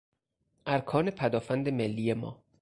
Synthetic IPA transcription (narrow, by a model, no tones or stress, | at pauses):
ʔæɾkʰɒːne̞pʰæd̪ɒːfænd̪e̞melːiːjemɒ̰ː